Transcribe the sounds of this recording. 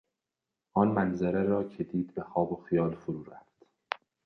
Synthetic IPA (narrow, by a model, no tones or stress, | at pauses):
ʔɒːnmænzæɾeɾɒːcʰed̪iːd̪̚bexɒːboxijɒːlfoɾuːɾæfd̪̥